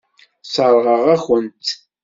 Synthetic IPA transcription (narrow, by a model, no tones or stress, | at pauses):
səɾˤʁəʁæxənt̪